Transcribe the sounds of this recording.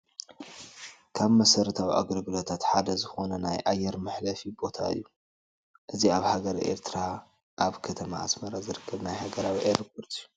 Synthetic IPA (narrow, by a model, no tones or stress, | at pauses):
kʰaβmɐsɐɾɨt̪ʰawiʔa̰ɡɾbɨlot̪ʰat̪ħad̪ɐzɨxo̞nɐnajʔajːɛɾmɨħlɐfibo̞t̪ʰa̰ɨ̰jːu | ʔɨziaβhaɡɐɾʔḛɾt̪ʰɨɾa | ʔaβkʰɐt̪ʰɐmaːsmɐɾazɨɾɨkʰːɐβnajhaɡɐɾawiʔeɾpoɾt̪ʼɨjːu